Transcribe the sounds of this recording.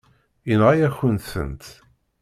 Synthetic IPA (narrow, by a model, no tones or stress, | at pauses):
inʁajæçənθə̰nt̪